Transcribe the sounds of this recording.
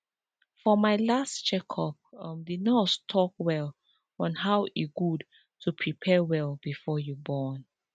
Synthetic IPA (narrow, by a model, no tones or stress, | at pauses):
fɔmaɪlastt͡ʃɛkʰɔp̚mdidnɔstʰɔk̚wɛl | ɔ̃nɦawiɡud | tʰupʰɹipʰɛwɛlbifɔjubɔn